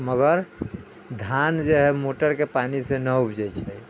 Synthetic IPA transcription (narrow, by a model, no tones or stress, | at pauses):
məɡəɾ | d̪ʱand͡ʒeɦɛmoʈəɾkepanisenəubd͡ʒɛt͡ʃʰɛ